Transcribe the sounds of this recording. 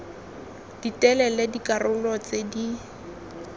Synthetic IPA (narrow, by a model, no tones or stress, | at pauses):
d̥itʼɛlɛlɛdikʼarʊlɔt͡sedi